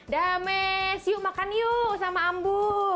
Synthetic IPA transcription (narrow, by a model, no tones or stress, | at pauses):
damɛsiuʔmakanijusamaːmbu